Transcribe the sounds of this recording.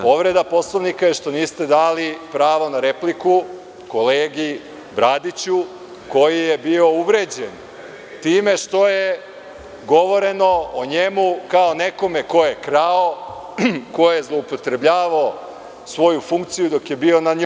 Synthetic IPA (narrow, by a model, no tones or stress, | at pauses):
po̞ʋɾe̞d̪apo̞slaʋnikajeʃt̪o̞niːst̪e̞d̪aːlipɾaːʋonaɾe̞pliku | ko̞leːɡi | bɾad̪it͡ɕu | ko̞jijebio̞uʋɾe̞ːd͡ʑen | t̪iːme̞ʃt̪o̞je | ɡo̞ʋo̞ɾe̞no̞oɲemukaone̞ko̞meko̞jekɾao | ko̞jezlˠo̞upo̞t̪ɾebʎaːʋao | sʋo̞jufuŋk̚t̪sijud̪o̞kje̞bio̞naɲ